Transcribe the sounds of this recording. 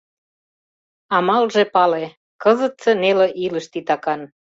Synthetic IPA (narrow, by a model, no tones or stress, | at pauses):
ɑmɑlʒĕpɑle | kɤ̆zə̆t̪sĕnelĕʔilə̆ʃt̪it̪ɑkɑn